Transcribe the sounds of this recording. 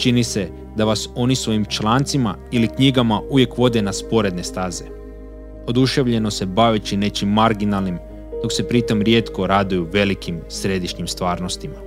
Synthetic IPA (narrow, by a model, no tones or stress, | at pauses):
t͡ʃinise̞ | d̪aʋaso̞nisʋo̞jimt͡ʃlaːnt̪simailikɲiɡamauʋjekʋo̞d̪e̞naspo̞ɾe̞d̪ne̞st̪aːze̞ | o̞d̪uʃe̞ʋʎe̞no̞se̞baʋet͡ʃine̞t͡ʃimːaɾɡinalˠnim | d̪o̞kse̞pɾit̪o̞mɾje̞ːt̪ko̞ɾad̪ujuʋe̞likimsɾe̞d̪iʃɲimst̪ʋaːɾnost̪ima